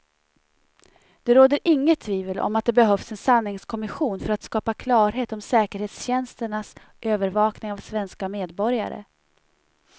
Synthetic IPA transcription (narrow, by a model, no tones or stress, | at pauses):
d̪̥ɛɾoːd̪əɾʔɪŋːət̪ʰːviːvəlɔ̰mat̪̚d̪ɛbɛɦœfsɛnsanːɪŋskʰɔmɪɧuːnfœɾat̪skɑːpakʰlɑːɾɦeːt̪ɔmsɛːkəɾheːt̪sɕɛnst̪əɳas | ʔøːvəɾvɑːknɪŋavsvɛnskameːd̪bɔɾja̰ɾə̰